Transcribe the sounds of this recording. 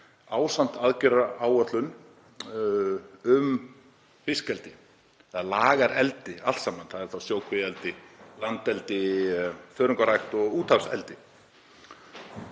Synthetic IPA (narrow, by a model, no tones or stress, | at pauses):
aːwsan̥t̪aðcɪɾaaːwœt̪lʏn | ʏm | fɪskɛlt̪ɪ | aðlaːɣaɾɛlt̪ɪalt̪saːmanθaðɛɾ̥θawsjoːwkʰvɪɛlt̪ɪlant̪ɛlt̪ɪ | fœːɾʏŋkaɾajxt̪ɔɣuːt̪ʰafsɛ̰lt̪ɪ